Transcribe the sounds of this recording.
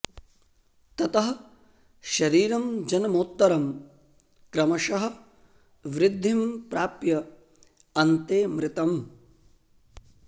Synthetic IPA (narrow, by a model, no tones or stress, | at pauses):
t̪ɐt̪ɐɦɐ | ʃɐɾiːɾɐmd͡ʒɐnɐmoːt̪ːɐɾɐm | kɾɐmɐʃɐɦɐ̆ | ʋɾɪd̪ʱːimpɾaːpjɐ | ɐnt̪eːmɾɪt̪ɐm